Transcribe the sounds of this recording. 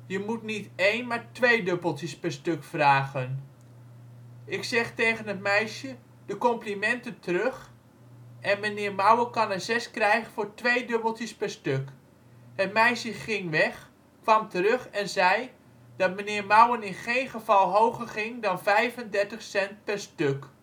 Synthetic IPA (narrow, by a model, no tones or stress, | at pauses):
jəmutnitejnmaːɹtʋejdøbəlˠtəspɛɹstøkfraːɣən | ʔɪksɛχtejɣənɦətmɛjʃjə | d̥əkɔmplimɛntəntərøχ | ʔɛnmənɪːɹmʌwəkɑnəzɛskrɛjχfʊːɹtʋejdøbəl̩ˠtjəspɛrstøk | hət̚mɛjsjəχɪŋʋɛχ | kʋɑmtəɾøχɛnzɛj | d̥ɑt̚mənɪːrmawənɪnχejnχəv̥ɑlˠɦowχərχɪŋdɑnvɛjvəndɛɹtəχsɛnt̚pɛrstøk